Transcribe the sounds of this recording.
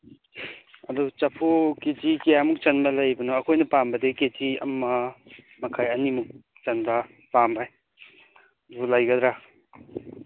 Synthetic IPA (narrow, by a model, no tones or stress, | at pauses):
ɐdut͡ʃɐpʰoketikijamuk̚t͡ʃɐnbɐlɐjbɐnoɐkʰojnɐpambɐdeketiɐ̰mːɐ | mɐkʰajɐnimuk̚ | t͡ʃɐnbɐ | pambaj | dulɐjɡɐd̪ɾa